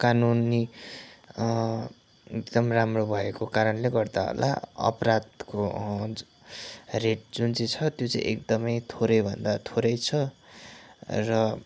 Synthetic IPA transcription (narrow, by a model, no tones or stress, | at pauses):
kanuni | ekd̪ʌmramrobʱʌekokaɾʌnleɡʌrd̪aɦo̰lʔa̰ʌ̰pɾad̪ko | reʈ̚d͡zunt͡sit͡sʰʌt̪jot͡saḭ̃ʔek̚d̪ʌmʌjt̪ʰoɾʌjbʱʌnd̪at̪ʰoɾʌjt͡sʰʌ | rʌ